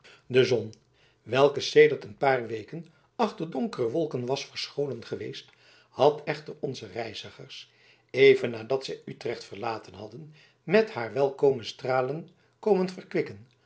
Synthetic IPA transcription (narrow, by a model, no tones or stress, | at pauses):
dəzɔn | ʋɛlˠkəsejdəɹtənpaːrʋejkən | ɑχtəɹdɔŋkərəʋɔlˠkənʋɑsfəɹsχownənχəʋejst | hɑtʰɛχtərɔnzərɛjzəχəɹs | ejvənːaːdɑtsɛjytrɛχtfəɹlaːtənɦɑdən | mɛthaːɹʋɛlˠkowmənstraːlən | kowmənfərkʋɪkən